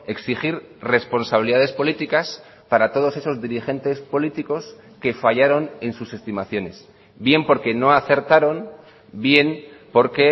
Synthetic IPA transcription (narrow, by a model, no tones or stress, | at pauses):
e̞ksixiɾ | re̞spo̞nsaβiliðaðe̞spo̞lit̪ikas | paɾat̪o̞ð̞o̞se̞so̞zðiɾixe̞nt̪e̞spo̞lit̪iko̞s | ke̞faʝaɾo̞ne̞nsuse̞st̪imaθjo̞ne̞s | bje̞mpo̞ɾke̞no̞aθe̞ɾt̪aɾo̞n | bje̞npo̞ɾke̞